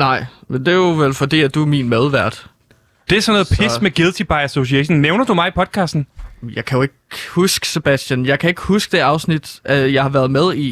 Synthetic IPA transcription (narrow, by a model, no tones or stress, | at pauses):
nɑ̈ɪ̰mend̥e̝joʋelfɒ̽d̥ḭːæd̥umiːnmæð̞ˠʋæɐ̰d̥ | d̥e̝æɐsɔnːɔːð̩ˠpʰesmeɡ̥elˠt͡sʰib̥ɑ̈ɪæso̝siɛɕon̩neʊnɐd̥umɑ̈ɪipʰɒ̽d̥̚kʰɑ̈ːsd̥n̩jɑ̈ɪkʰæjo̝e̝ɡ̥husɡ̥ə̥se̝b̥æsd̥jænjɑ̈ɪkʰæe̝ɡ̥husɡ̥əd̥e̝ɑ̈ʊsnid̥ʔjɑ̈ɪhɑ̈ʋæːɐð̞̩ˠmeðˠi